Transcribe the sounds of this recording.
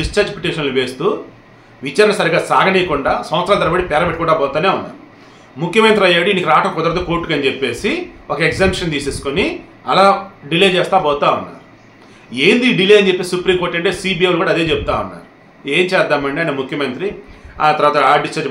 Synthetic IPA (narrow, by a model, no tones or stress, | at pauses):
ɖist͡ʃaːɾd͡ʒpiʈiːʂɐnluʋe̞ːst̪uː | ʋit͡ʃaːɾɐnɐsɐɾiɡaːsaːɡʱɐniːɐkuɳɖaːsɐmʋɐt̪sɾaːlt̪̬ɐɾɐbɐɽipɛːɾɐbeʈːikuːɳɖaːbɔːt̪aːneːunːa̰ːɾu | mukʰːjɐmɐnt̪ɾiɐjːaːɽinikiɾaːʈɐkɔd̪ɐɾt̪oːkoːɾʈːukɐnd͡ʒepːe̞ːsiɔkɐeɡzaːmʂɐnt̪iːse̞ːsu̥koni | ɐlaːɖileːd͡ʒɛːst̪aːbɔːt̪aːunːa̰ːɾu | e̞ːnd̪iːɖileːjɐɲd͡ʒepːessupɾiːmko̞ːɾʈːɐɳʈe̞ːsiːbieʋlkuːɽaɐd̪e̞ːd͡ʒebut̪a̰ːunːa̰ːɾu | e̞ːɲt͡ʃɛːd̪aːmɐɳɖeɐnemukʰjɐmɐnt̪ɾiaːt̪ɐɾʋaːt̪ɐaːɖist͡ʃaːɾd͡ʒ